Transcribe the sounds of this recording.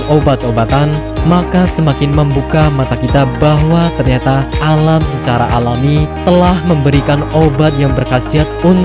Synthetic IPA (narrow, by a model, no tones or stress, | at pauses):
obat̪obat̪an | makasəmakɪnməmbukamat̪akit̪abaɦwat̪ərɲat̪aalamsət͡ʃaɾaʔalamit̪əlahməmbəɾikanobat̪̚jaŋbərkasiɦat̪̚un